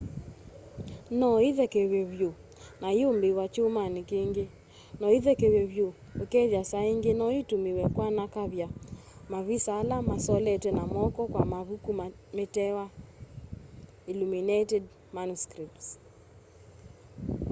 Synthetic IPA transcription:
nɔiðɛkeweβjo | najombiwat͡ʃomanikeŋɡe | nɔiðɛkeweβjo | okɛðjasaeŋɡenɔitumiwɛkwanakaβja | maβisalamasɔlɛtwɛnamɔkɔkwamaβukum | metɛwa | iluminetɛd | manuskɾip̚ts

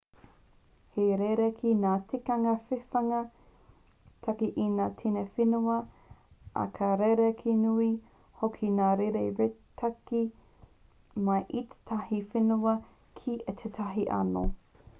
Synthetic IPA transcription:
heɾeɾekʰinaːtʰikɐŋɐfefɐŋɐ | t̪ʰɐkiʔinaːtʰinefinuɐ | ʔɐ̰kʰɐɾeɾekʰinui | hokʰinaːɾeɾeɾetʰɐki | mɐʔit̪ʰe̥t̪ʰɐhifenuɐ | kʰiʔet̪ʰetʰɐɦiʔɐ̰no̰

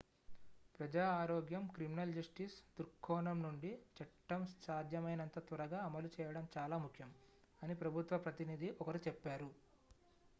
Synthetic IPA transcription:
pɾɐd͡ʒaːaːɾɔːɡjɐmkɾiminɐld͡ʒɐsʈisd̪uɾkʰːɔːɳɐmnuɳɖit͡ʃɐʈːɐmssaːd̪ʱjɐmɐjnɐnt̪ɐt̪ʋɐɾɐɡaːɐmɐlut͡ʃɛːjɐɽɐmt͡ʃaːlaːmukʰjɐm | ɐnipɾɐbʱut̪ʋɐpɾɐt̪inid̪ʱiʔɔkɐɾut͡ʃɛpːaːɾu

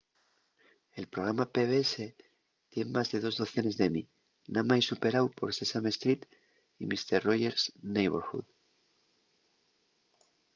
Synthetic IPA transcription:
e̞lpɾo̞ɣ̞ɾamape̞βeese̞ | t̪je̞mmazðe̞ð̞o̞zðo̞θjo̞ne̞zðe̞mi | namaisupe̞ɾawpo̞ɾsesame̞st̪ɾit̪ | imist̪eɾro̞ʝe̞ɾsnejβeɾxṵð

